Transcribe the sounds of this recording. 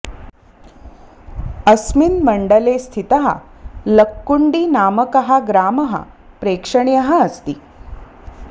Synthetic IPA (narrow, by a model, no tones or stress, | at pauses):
əsminməɳɖəlest̪ʰit̪ɐɦɐ̰ləkːuɳɖiːnaːməkɐɦaɡɾaːmɐɦɐ̰ | pɾeːkʂəɳjɐɦɐɐst̪iː